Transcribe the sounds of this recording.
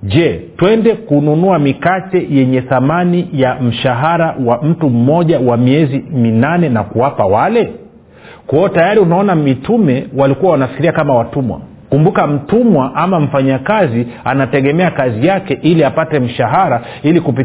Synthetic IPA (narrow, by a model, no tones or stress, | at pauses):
ʄɛtwɛndɛkununuamikatɛjɛɲɛθamanijam̩ʃaɦaɾawam̩tum̩mɔʄawamiɛziminanɛnakuwapawalɛ | kɔɔtajaɾiunaɔnamitumɛwalikuwawanafikiɾiakamawatumwa̰ | kumbukam̩tumwaʔamam̩faɲakazianatɛɠɛmɛakazijakɛʔiliapatɛm̩ʃaɦaɾa | ilikupi